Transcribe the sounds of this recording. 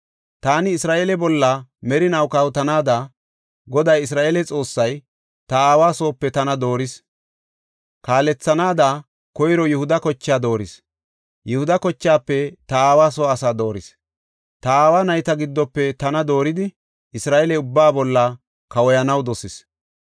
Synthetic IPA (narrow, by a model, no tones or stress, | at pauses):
t̪aːnɪːsɾaːʔeːlɛbɔlːɐmɛɾɪnɐwkɐwʊt̪ɐnaːd̪aː | ɡɔd̪ɐjɪs̬ɾaːʔeːlɛt͡sʼo̞ːsːɐj | t̪ɐaːwaːso̞ːpːɛt̪ɐnɐd̪o̞ːɾɪs | kaːlɛt͡sːɐnaːd̪a | kɔjɾɔjʊhʊd̪ɐkɔt͡ʃːaːd̪o̞ːɾɪs | jɪhʊd̪ɐkɔt͡ʃːaːpːɛt̪ɐaːwaːsoːɐsaːd̪o̞ːɾɪs | t̪ɐaːwaːnɐjt̪ɐɡɪd̪ːɔpːɛt̪ɐnɐd̪o̞ːɾɪd̪ɪ | ɪsɾaːʔelɛʊbːaːbɔlːɐ | kɐwɔjɐnɐwd̪ɔsɪs